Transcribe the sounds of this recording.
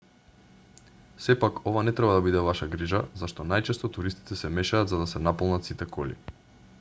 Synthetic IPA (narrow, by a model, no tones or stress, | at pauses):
sɛpakɔvanɛt̪ɾɛbad̪abid̪ɛvaʃaɡɾiʒazaʃt̪ɔnajt͡ʃɛst̪ɔt̪uɾist̪i̥t̪ɛsɛmɛʃaːd̪zad̪asɛnapolˠnat̪sit̪ɛkɔlḭ